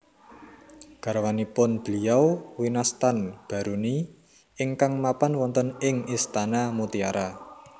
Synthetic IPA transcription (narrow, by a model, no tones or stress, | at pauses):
ɡ̥a̤ɾwanipʊnb̥liawwinast̪anb̥a̤ɾuni | ɪŋkaŋmapanwɔnt̪ənɪŋist̪anamut̪ia̰ɾa